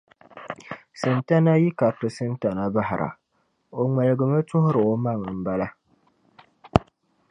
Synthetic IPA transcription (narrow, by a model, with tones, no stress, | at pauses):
sɨ˨nta˦na˦ji˦ka˨tʊ˨sɨ˦nta˨na˦ba˦ɦɪ˨ɾʔa̰˨ | o˨ŋɛ˨lɨ˨ɡɨ˨ma˦tʊ˦hʊ˦ɾɨ˨o˨ma˦˨ŋ˨m̩˨ba˦la˦